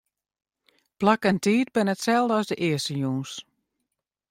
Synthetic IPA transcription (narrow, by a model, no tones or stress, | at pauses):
plakəntiːt̚bɪnətsɛlˠdəɔsdəʔɪəsəjuːns